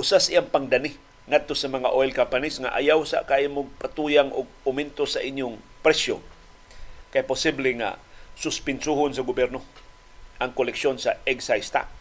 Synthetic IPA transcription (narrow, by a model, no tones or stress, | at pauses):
ʔʊsasʔiʔaŋpaŋd̪anɪ | ŋad̪̚t̪osamɐŋaʔojlkampanisŋa̰ʔa̰jawsa̰ʔkajɪmʊɡ̚pat̪ujaŋʔʊɡ̚ | ʊmɛnt̪osaʔɪɲjʊŋ | pɾɛsjo̰ | kajpʊsiblɛŋa̰sʊspɪnsuhonsaɡʊbɛɾno | ʔaŋkolɛkʃonsaɛɡsajst̪a̰ʔ